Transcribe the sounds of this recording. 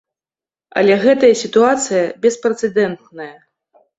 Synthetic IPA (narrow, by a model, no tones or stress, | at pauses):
ɐ̰lʲɛɣɛt̪ɐjɐsʲit̪uat̪sɨjɐbʲɛspɾɛt̪sɛd̪ɛnt̪nɐjɐ